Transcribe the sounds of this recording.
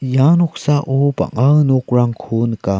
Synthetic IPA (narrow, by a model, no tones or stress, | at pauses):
janɔk̚saʔopa̰ŋanokɹaŋkʰunka